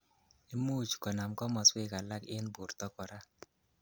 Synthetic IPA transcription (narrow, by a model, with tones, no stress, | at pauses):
e˦mu˦˨t͡ʃkɔ˨na˨mkɔ˦mɔ˨swe˦ka˨la˦kɪ˦nbu˨ɾt̪ɔ˦kɔ˨ɾa˦